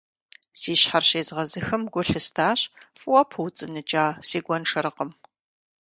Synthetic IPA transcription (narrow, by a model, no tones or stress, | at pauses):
siːɕħarɕeːzʁɐzɨxɨmɡʷʊɬɨstʰaːɕfʼwɔpʰɨwt͡sʼɨnɨt͡ʃʼaːsiːɡʷɔnʂɐɾɨqəm